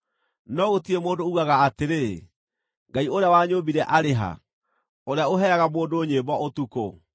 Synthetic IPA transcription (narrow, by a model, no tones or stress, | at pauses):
nɔɣotiemoːndouɣaɣaːteɾe | ŋɡaioɾeawaɲobiɾɛʔaɾeɦa̰ | oɾeaoɦɛɾaɣamoːndoːɲeːbɔotuko̰